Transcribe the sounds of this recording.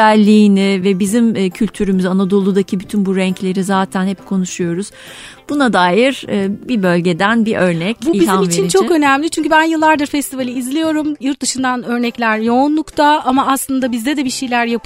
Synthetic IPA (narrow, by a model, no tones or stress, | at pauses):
ælʲːiːnɪvɛbizimːcʰylʲt̪ʰyɾymyzanad̪o̞lˠud̪acʰibyt̪ʰynbuɾɛɲclʲe̞ɾizaːt̪ʰænhɛp̚kʰo̞nuʃujo̞ɾuz̥ | b̥unad̪aːjiɾɯːbibø̞lʲɟe̞d̪ænbiʔøɾnɛcbuibizanmit͡ʃʰinit͡ʃʰokø̞næmlʲit͡ʃʰyɲcybænjɯlˠːaɾd̪aɾfɛst̪ʰivalʲiizlʲejo̞ɾumjuɾt̪̚d̪ɯʃɯnd̪anø̞ɾnɛclʲæɾjo̞ːnlˠukt̪ʰaamaːslˠɯnd̪abizd̪ɛd̪ɛbiʃejlʲæɾjapʰ